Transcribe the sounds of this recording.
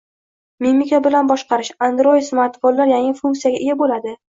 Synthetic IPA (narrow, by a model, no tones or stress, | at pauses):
mimikʲʰabɪlanbɒʃqɑɾɪʃand̪ɾojɪsmaɾt̪bolːaɾjaŋɪfuŋkt̪sijaɡʲaʔɪjabolad̪ɪ